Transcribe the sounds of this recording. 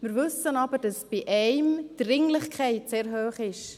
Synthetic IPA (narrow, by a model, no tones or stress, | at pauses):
mɪɾvʏsənɑbəd̥ɑsb̥iʔɛɪmd̥rɪŋlɪχkʰɛɪt̚seːɾɦøːχɪʃ